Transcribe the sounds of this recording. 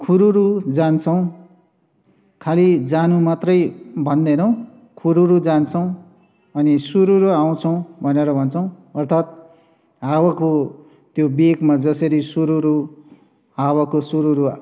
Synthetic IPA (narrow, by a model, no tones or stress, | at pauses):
kʰuɾuɾud͡zant͡sʰʌw̃ | kʰalid͡zanumat̪rʌjbʱʌnd̪enʌw̃ | kʰuɾuɾud͡zant͡sʰʌw̃ | ʌnisuɾuɾuaw̃t͡sʰʌw̃bʱʌneɾʌbʱʌnt͡sʰʌw̃ʌrt̪ʰat̪̚ | ɦawako | t̪jobekmad͡zʌsʌɾisuɾuɾu | ɦawakosuɾuɾu